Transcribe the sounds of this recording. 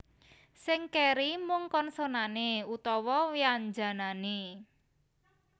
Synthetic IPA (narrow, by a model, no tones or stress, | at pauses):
sɪŋkeɾimuŋkɔnsonaneut̪ɔwɔwiand͡ʒa̤nane